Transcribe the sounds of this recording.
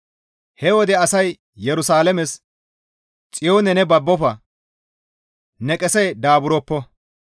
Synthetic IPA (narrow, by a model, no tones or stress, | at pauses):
hɛwɔd̪ɛɐsɐj | jɛɾʊsaːlɐmɛs | t͡sʼɪjoːnɛnɛbɐbːɔfɐ | nɛkʼɛsɛjd̪aːbʊɾɔpːɔ